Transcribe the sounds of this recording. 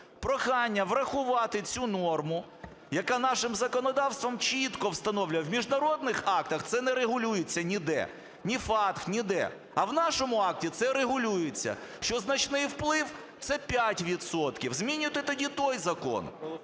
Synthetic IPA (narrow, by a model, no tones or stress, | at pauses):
pɾɔxɑnʲːɐʋɾɐxʊʋɑt̪ɪt͡sʲunɔrmʊ | jɐkanɑʃɪmzɐkɔnɔd̪ɑwst̪ʋɔmt͡ʃit̪kɔwst̪ɐnɔwlʲʊjɐwmʲiʒnɐɾɔd̪nɪxɑk̚t̪ɐxt̪sɛnɛɾeɦʊlʲujet͡sʲːɐnʲid̪ɛ̰ | nʲifɑt̪xnʲid̪ɛ̰ | ɐwnɑʃɔmʊɑk̚tʲit̪sɛɾeɦʊlʲujet͡sʲːɐ̰ʃt͡ʃɔznɐt͡ʃnɪjwplˠɪw | t̪sɛpʲjatʲʋʲid̪sɔt̪kʲiwzmʲinʲʊt̪ɪt̪ɔdʲit̪ɔjzɐkɔ̰n